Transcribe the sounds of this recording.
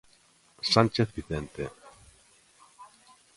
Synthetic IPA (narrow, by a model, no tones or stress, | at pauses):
sant͡ʃeθbiθent̪e